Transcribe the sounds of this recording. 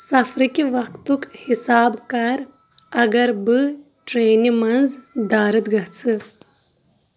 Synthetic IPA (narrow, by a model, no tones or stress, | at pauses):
sɐfɾikiʋɐkt̪ukhisaːbkɐɾ | ɐɡɐɾbɨ | ʈɾeːnimɐnzd̪aːɾɨt̪ɡɐɦt͡sʰɨ